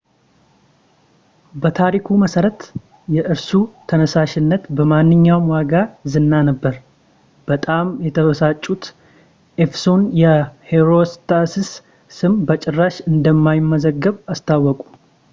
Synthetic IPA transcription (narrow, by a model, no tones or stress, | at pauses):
bət̪ʰaɾikʰuməsəɾət̪ | jɛʔɨɾsut̪ʰənəsaʃɪnːət̪bəmanːɨɲːawmwaɡazɨnːanəbːəɾ | b̥ət̪ʼamjɛt̪ʰəβəsat͡ʃʼːut̪ | ʔefsonjɛheɾost̪ʰass | sɨmbət͡ʃʼɪrːaʃɨnd̪əmːajɪmːəzəɡːəβast̪ʰawːɔkʼu̥